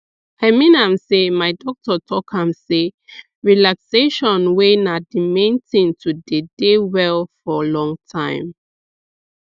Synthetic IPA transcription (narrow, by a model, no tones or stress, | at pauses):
hɛmĩnãmsemajdɔk̚tɔtʰɔkhãmse | ɹilakseʃɔ̃nwenadimẽntʰĩntʰudedewɛlfɔlɔ̃ŋtʰãɪ̃m